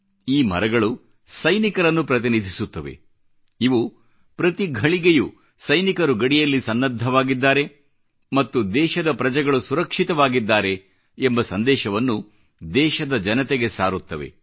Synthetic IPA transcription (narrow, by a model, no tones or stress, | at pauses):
iːmɐ̰ɾɐɡɐɭu | sɐjnikɐɾɐnːupɾɐt̪inid̪ʱisut̪ːɐʋe̞̰ | iʋu | pɾɐt̪iɡʱɐɭiɡeju | sɐjnikɐɾuɡɐɽijɐlːisɐnːɐd̪ʱːɐʋaːɡid̪ːaːɾe̞ | mɐt̪ːud̪ɛːʃɐd̪ɐpɾɐd͡ʒɛɡɐɭusuɾɐkʂit̪ɐʋaːɡid̪ːaːɾe̞ː | mbɐsɐnd̪ɛːʃɐʋɐnːu | d̪ɛːʃɐd̪ɐd͡ʒɐnɐt̪eɡe̞sa̰ːɾut̪ːɐʋe̞̰